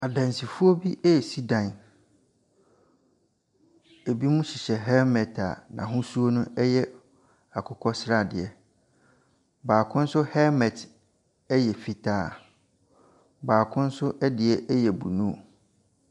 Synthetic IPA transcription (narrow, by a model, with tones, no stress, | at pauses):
a˨dã˨n˨si˨fu˦o˦bi˦ʔɛ˦ɛ˨si˦dã˨n | e˨bi˦mũ˦ɕi˨ɕɛ˨ɦɛ˦mɛ˨tʰa̰˨nã̰˨ɦʊ̃˦su˦o˦nʊ̃˦ɛ˦jɛ˦ | a˨kʰʊ˦kʰɔ˦sɾa˦˨dɪ˨ɛ˨ | baː˨kʰʊ̃˦n̩˦sʊ˦hɛ˦mɛ˨t | ɛ˦jɛ˨fi˦tʰaː˦˨ | baː˨kʰʊ̃˦n̩˦sʊ˦ʔdɪ˨ɛ˨ʔɛ˦jɛ˨bṵ˨nũ˦˨